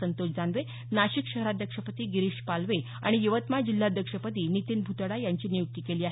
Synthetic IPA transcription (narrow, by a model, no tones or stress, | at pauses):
ənt̪ot͡ɕd͡zanʋe | naɕikɕəɦɾad̪ʱjəkʂəpət̪iːɡiɾiɕpalʋe | a̰ɽ̃ijəʋət̪mad͡ʑil̤ːad̪ʱjəkʂəpət̪iːnit̪inbʱut̪ɽajaɲt͡ɕiːnijuk̚t̪iːkeliːaɦ